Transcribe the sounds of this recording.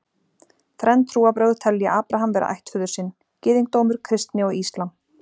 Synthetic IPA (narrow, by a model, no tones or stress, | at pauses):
θɾɛnt̪ʰɾuːapɾœːɣðt̪ʰɛlːja̰ʔaːpɾaɦamvɛːɾa̰ʔa̰jht̪fʏːðʏɾ̥sɪnː | cɪːðiŋk̚t̪owmʏɾ̥kʰɾɪst̪nɪɔɣist̪lan